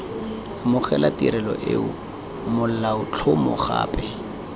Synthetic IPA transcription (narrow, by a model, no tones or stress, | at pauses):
mʊχɛlatiɾɛlɔ̰ʔeʊ̰ | mʊl̩laʊt͡ɬʰʊmʊ̰χa̰ːpɛ